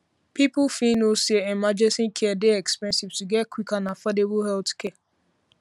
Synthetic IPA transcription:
pipʊfinoseemad͡ʒesĩkʰɛadeɛkspɛ̃nsivtuɡɛtkwikanafɛdebuɦɛltkʰɛa

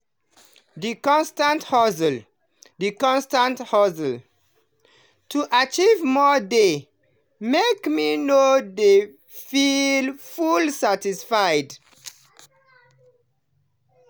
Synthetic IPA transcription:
dikɔ̃nstãnthɔzəl | dikɔ̃nstãnthɔzəl | tʰuʔat͡ʃivmɔde | mekminode | filfulsatisfajd

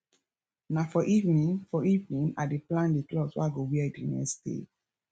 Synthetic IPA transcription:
nafɔʔivnĩnfɔivnĩnadeplãndeklɔswo̰aɡowiɛidenɛ̰ksdḛ

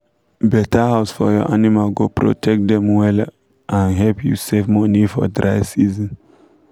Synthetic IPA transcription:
bɛtahaʊsfɔjɔ̰ʔanimalɡopɾo̰tʰɛk̚t̚dɛ̃mwɛl | ʔãnɦɛlpʰjṵsevmɔnifɔ̰dɾaɪsizĩn

